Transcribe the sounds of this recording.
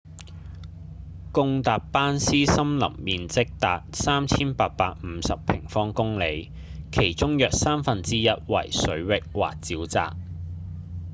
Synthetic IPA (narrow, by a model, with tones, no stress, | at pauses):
kʊ˧ŋt̪aː˨p̚paː˥nsiː˥sɐ˥mlɐ̰˨˩mmiː˨nt͡sɪ˥k̚t̪aː˨t̚saː˥mt͡sʰiː˥npaː˧k̚paː˧k̚m̩ː˨˧sɐ˨ppʰɪ˨˩ŋfɔː˥ŋkʊ˥ŋle˨˧j | kʰe˨˩jt͡ʃʊ˥ŋjœː˨k̚saː˥mfɐ˨nt͡siː˥jɐ˥t̚wɐ̰˨˩jsɵ˨˥ɥwɪ˨k̚wa̰ː˨k̚t͡siː˨˥wt͡sa̰ː˨k̚